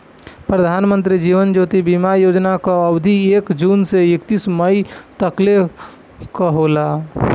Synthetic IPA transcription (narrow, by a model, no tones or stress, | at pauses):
pɾəd̪ʱanmənt̪ɾid͡ʒiʋənd͡ʒot̪ibimajod͡ʒnakaəbd̪ʱiekd͡ʒunseekt̪isməit̪əkle | kəɦola